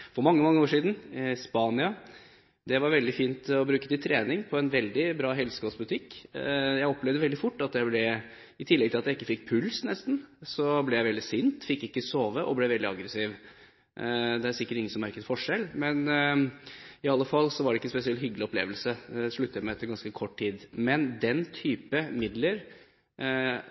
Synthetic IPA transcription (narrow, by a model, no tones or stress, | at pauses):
fɔɾmɑŋːəmɑŋːəoːʂiːd̪n̩spɑːnɪɑ | d̪ɛʋɑɾʋɛld̪ɪfiːnt̪ɔbɾʉːkət̪ɪt̪ʰɾeːnɪŋpʰɔɛnʋɛld̪ɪbɾɑːɦɛlsə̥ɡɑːsbʉt̪ʰɪkːjæɪɔpːlɛʋd̪əʋɛld̪ɪfʊʈːɑt̪jæɪblɛ | ɪt̪ʰɪlːɛɡ̚t̪ɪlɑt̪jæɪɪkːəfɪkːpʰʉlsnɛst̪n̩sɔblɛjæɪʋɛld̪ɪsʏnt̪fɪkːɪkːəsoːʋəʔɔblɛʋɛld̪ɪɑɡɾəsiːʋ | d̪ɛæɾsɪkːəʈɪŋːənsɔmɑɾɪkənfɔʂɛlːmɛn | ɪɑlːəfɑlːsɔʋɑɖɛɪkːəspɛsɪɛlt̪hʏɡlɪɔplḛːʋəlsəɛʂɭʉt̪ːəjæmɛɛt̪ːəɾɡɑnskəkʰɔʈːt̪ʰiːd̪mɛnd̪ɛnt̪ʰyːpəmɪd̪ləɾ